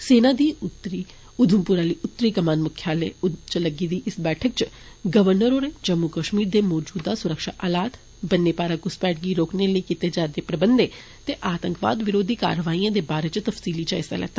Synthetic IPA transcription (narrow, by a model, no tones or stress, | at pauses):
seːnãːd̪iːɾiː | ʊd̪ʱəmpʊɾaːliːʊt̪ːəɾiːkəmaːnmʊkʰjaːlḛːʊt͡ʃləɡiːd̪iːʔɪsbɛːʈʰəkt͡ʃ | ɡəʋəɾnəɾoːɾeːd͡ʒəmːukəʃmiːɾd̪eːmɔːd͡ʒuːd̪aːsʊɾəkʃa̰ːʔalaːt̪ | bənːeːpaːɾaːɡʊspɛːʈ̚ɡiːɾoːkneːləikit̪eːd͡ʒaːd̪eːpɾəbənd̪eː | t̪eːʔaːt̪ə̃ŋkʋa̰ːd̪ʋɪɾoːd̪ʱiːka̰ːɾəʋaːiːãːd̪eːbaːɾeːt͡ʃt̪əfsiːliːt͡ʃə̰ɪsa̰lɛ̰ːt̪aː